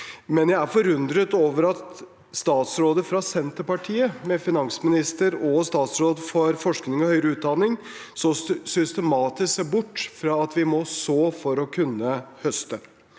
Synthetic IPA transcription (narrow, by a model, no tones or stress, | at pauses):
mɛnjæɪæɾfɔɾʉnd̪ɾət̪oːʋəɾɑt̪ | st̪ɑːt̪sɾoːd̪əfɾɑsɛnt̪əɾpɑʈʰiːəmɛfɪnɑŋsmɪnɪst̪əɾɔst̪ɑːt̪sɾoːd̪fɔɾfɔʂknɪŋɔhœʏɾəʉːt̪̚d̪ɑnɪŋ | sɔsʏst̪ɛmɑːt̪ɪssæbʊʈːfɾɑːɑt̪ʋɪmɔsoːfɔɾɔkʰʉnːəhœst̪ə